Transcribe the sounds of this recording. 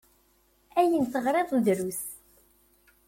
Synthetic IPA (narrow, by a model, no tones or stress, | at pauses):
æjənθəʁɾˤeðˤðɾus